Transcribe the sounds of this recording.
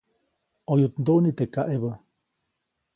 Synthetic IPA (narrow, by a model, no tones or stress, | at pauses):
ojut̪nd̪oʔnit̪ekaʔeβə